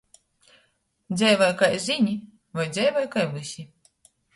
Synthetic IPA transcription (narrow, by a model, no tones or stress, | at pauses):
d̪zʲɛjvajkajzʲinʲi | vajd̪zʲɛjvɔjkajvɨsʲi